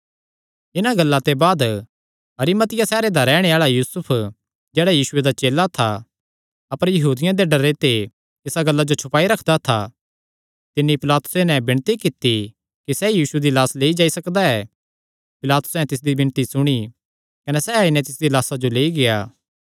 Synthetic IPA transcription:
ɪnaɡɐlːat̪ebaːd̪ | ɦɐɾɪmɐt̪ɪjasɛːɾed̪aɾɛːɽ̃eaːɭajuːsʊpʰ | d͡ʒɛːɽajiːsʊed̪at͡ʃeːlat̪ʰa | ɐpəɾjɐɦuːd̪ɪjãd̪eɖɐɾet̪e | t̪ɪsaɡɐlːad͡ʒot͡ʃʰʊpaːiɾɐkʰd̪at̪ʰa | t̪ɪnːipɪlaːt̪ʊ̥senɛ̃bɪɽ̃t̪ikɪt̪ːi | kisɛjiːsued̪ilaːsleːid͡ʒaːisɐkd̪aɛː | pɪlaːt̪ʊ̥sɛ̃t̪ɪs̬d̪ibɪ̃nt̪isʊɽ̃i | kɐnɛsɛaɪnɛ̃t̪ɪsd̪ilaːsad͡ʒoleːiɡɪjaː

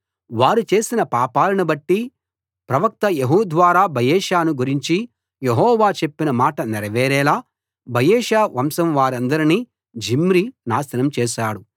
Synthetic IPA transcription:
ʋaːɾut͡ʃe̞ːsinɐpaːpaːlɐnibɐʈːi | pɾɐʋɐk̚t̪ɐjeɦuːd̪ʋaːɾaːbʱɐjɛːʃaːnuɡuɾiɲt͡ʃi | jeɦɔːʋaːt͡ʃe̞pːinɐmaːʈɐniɾɐʋɛːɾɛːlaː | bʱɐjɛːʃaːʋɐmsɐmʋaːɾɐnd̪ɐɾini | d͡ʒimɾinaːʃɐnɐmt͡ʃɛːʃaːɽu

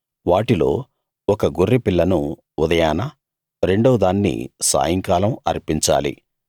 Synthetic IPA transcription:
ʋaːʈilo̞ː | ɔkɐɡurːipilːɐnu | ud̪ɐjaːnɐ | ɾe̞ɳɖɐʋd̪aːnːḭsa̰ːjɐŋkaːlɐmɐ̰ɾpiɲt͡ʃa̰ːlḭ

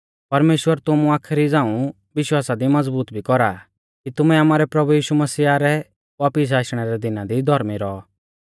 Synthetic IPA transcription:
pɐɾmeːʃwəɾt̪ʊmũaːkʰɾid͡zãːũ | ʋɪʃwaːsad̪imɐd͡zbuːt̪bʱikɔɾa | kit̪ʊmɛaːmaːɾɛpɾɐbujiːʃumɐsiːaɾɛ | ʋaːpɪs̬aːʃɽ̃ɛɾɛd̪ɪnad̪id̪ʱɔɾmiɾɔɔ

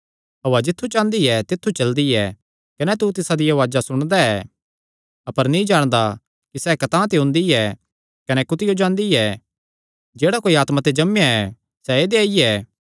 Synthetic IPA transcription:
ɦɐʋad͡ʒɪt̪ʰːut͡ʃãːnd̪iɛt̪ɪt̪ʰːut͡ʃɐld̪iɛ | kɐnɛt̪̬ut̪ɪsad̪ɪjaʋaːd͡ʒasʊɽ̃d̪aɛː | ɐpəɾnĩd͡ʒaːɽ̃d̪a | kisɛkɐt̪ãːt̪eɦʊ̃nd̪iɛ | kɐnɛkʊt̪ɪjod͡ʒãːnd̪iɛ | d͡ʒeːɽakoːiaːt̪mãt̪ed͡ʒɐmjaɛ | sɛeːd̪eaiɛː

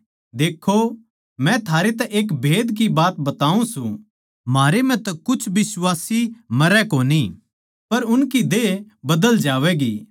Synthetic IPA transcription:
d̪eːkʰːo | mɛ̃t̪ʰaːɾet̪ɛʔeːkbʱeːd̪k̬ibaːt̪bɐt̪aːũsṵ̃ | maːɾemɛ̃t̪ɐkʊt͡ʃʰbɪswaːsimɐɾɛkoːni | pɐɾʊnkid̪e | bɐd̪əld͡ʒaːʋɛɡiː

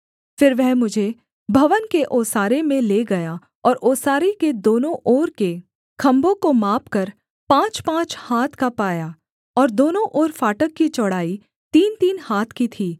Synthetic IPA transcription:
fɪɾʋɛɦmʊd͡ʒʱe | bʱɐʋənkeʔoːsaːɾemẽleːɡɐja | ɔːɾʔoːsaːɾeked̪oːnõʔɔːɾke | kʰɐ̃mbõkomaːpkɐɾ | pãːt͡ʃpãːt͡ʃhaːt̪ʰkapaːjaː | ɔːɾd̪oːnõʔɔːɾfaːʈəkːit͡ʃɔɽ̤aːi | t̪iːnt̪iːnhaːt̪ʰkit̪ʰiː

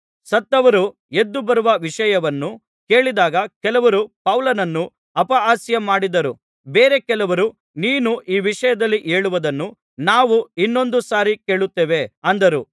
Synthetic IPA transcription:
sɐt̪ːɐʋɐɾu | e̞d̪ːubɐɾuʋɐʋiʂɐjɐʋɐnːu | ke̞ːɭid̪aːɡɐkɛlɐʋɐɾupɐwlɐnɐnːu | ɐpɐaːsjɐmaːɽid̪ɐɾu | beːɾe̞kɛlɐʋɐɾu | niːnuʔiːʋiʂɐjɐd̪ɐlːiʔe̞ːɭuʋɐd̪ɐnːu | naːʋuinːo̞nd̪usaːɾike̞ːɭut̪ːeːʋe̞ɐnd̪ɐɾu

